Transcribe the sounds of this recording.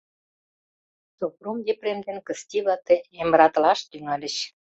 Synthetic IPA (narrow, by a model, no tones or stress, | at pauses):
t͡sopromd̪ʲepremd̪enkə̆st̪ʲiβɑt̪eemɾɑt̪lɑʃt̪yŋɑlʲə̆ɕ